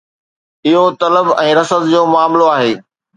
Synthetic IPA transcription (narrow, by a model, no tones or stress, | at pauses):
ɪɦot̪ɐləbɛ̃ːɾɐsət̪d͡ʑoːmaːmloaːɦeː